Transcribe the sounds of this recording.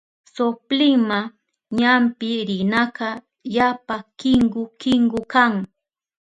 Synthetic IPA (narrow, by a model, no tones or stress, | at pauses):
soplɪŋma | ɲampɪɾɪnakɑ | japakɪŋɢʊkɪŋɡʊkaŋ